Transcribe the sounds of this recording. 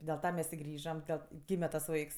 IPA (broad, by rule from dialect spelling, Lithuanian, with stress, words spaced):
dʲeːlˠ ˈtɐ ˈmʲɛs ɪ ˈɡrʲiːʒɐm ˈdʲɛlˠ ˈɡʲiːmʲɛ tɐs ˈʋɐɪks